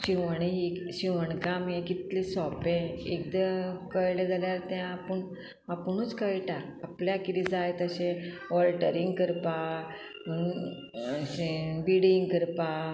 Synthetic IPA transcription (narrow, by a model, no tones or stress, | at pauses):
ɕiʋəɳ̃iɦiɕiʋəɳkamjẽkit̪lisɔpẽek̚d̪əkəjlẽd͡zaljaɾt̪ãapəɳ | apɳut͡skəjʈaːpljakid̪id͡zajt̪əɕẽ | ʋɔlʈəɾĩŋɡkəɾpa | biɽiŋɡkəɾpa